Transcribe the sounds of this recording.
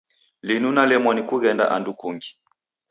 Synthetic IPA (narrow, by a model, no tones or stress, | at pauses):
linunalɛmɔnikuɣɛnda̰ʔandukuŋɡi̥